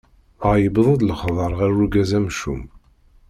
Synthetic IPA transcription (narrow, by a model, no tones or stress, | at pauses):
əjəbðˤəd̪ləχðˤəɾˤʁæruɡæzæmʃṵm